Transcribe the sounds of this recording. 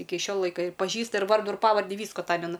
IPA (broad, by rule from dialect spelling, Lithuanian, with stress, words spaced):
ˈɪkʲɪ ˈʃʲoː ˈlˠɐɪkɐ ɪr pɐˈʒʲiːstɐ ɪr ˈʋɐrdʊ ɪr ˈpɑːʋɐrʲdʲɪ ˈʋʲiːskʊ ɐˈtɑːmʲɛnɐ